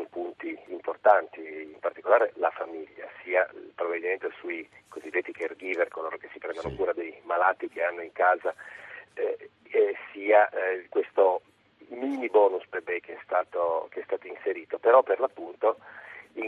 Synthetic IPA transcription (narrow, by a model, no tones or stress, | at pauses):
ompunt̪iːmport̪ant̪iːmpart̪ikolaːɾelafamiʎːa̰siːalpɾobabilment̪esuikozid̪ːet̪ːikerɡiːverkoloːɾokesːipɾɛnd̪anokuːɾad̪ejmalaːt̪ːikeanːoiŋkaːza | siːakwest̪o | minibɔːnuspebɛjkeɛst̪aːt̪ok̟eɛst̪aːt̪oinseɾiːt̪opeɾɔpːerlapːunt̪oi